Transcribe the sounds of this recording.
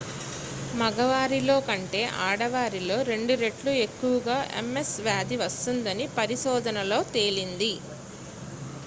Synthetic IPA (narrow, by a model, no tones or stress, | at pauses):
mɐɡɐʋaːɾilo̞ːkɐɳʈe̞ːʔaːɽɐʋaːɾilo̞ːɾe̞ɳɖuɾe̞ʈlue̞kːuʋɐɡaːʔe̞̰mːe̞sʋjaːd̪iʋɐst̪und̪ɐnipɐɾiʃɔːd̪ʱɐnɐlo̞ːt̪e̞ːlind̪i